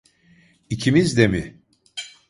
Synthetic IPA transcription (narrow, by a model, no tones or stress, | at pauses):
icʰimizd̪emɪ